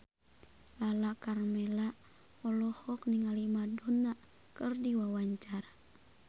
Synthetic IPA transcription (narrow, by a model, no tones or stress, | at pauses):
lalakarmɛla | ɔlɔhɔkniŋalimadɔna | kɨrdiwawaɲt͡ʃaɾa